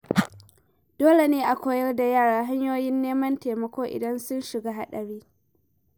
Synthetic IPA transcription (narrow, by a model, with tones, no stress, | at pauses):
d̥oː˦le˨neː˦ʔa˨kʷoː˦jɐ˦rda˨jaː˦˨ɽaː˨ɦa˦ɲjoː˦jɪ˦nːeː˦mɐ˦nteː˨mɐ˨kʷoː˦ʔɪ̰˨dɐ˦nsʊ˦nʃɪ˨ɡaː˦ɦa˦ɗɐ˨ɽiː˦